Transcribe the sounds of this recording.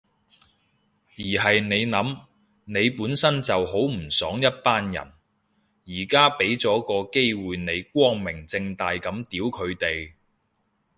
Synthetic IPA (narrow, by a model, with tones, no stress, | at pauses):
jiː˨˩ɦɐ˨jne˨˧jnɐ˨˥m | ne˨˧jpuː˨˥nsɐ˥nt͡sɐ˨who˨˥wm̩˨˩sɔː˨˥ŋjɐ˥t̚paː˥njɐ̰˨˩n | jiː˨˩kaː˥pe˨˥jt͡sɔː˨˥kɔː˧ke˥jwuː˨jne˨˧jk̚ʷɔː˥ŋmɪ˨˩ŋt͡sɪ˧ŋt̪aː˨jkɐ˨˧˥mt̪iː˨˥wkʰɵ˨˧ɥt̪e˨j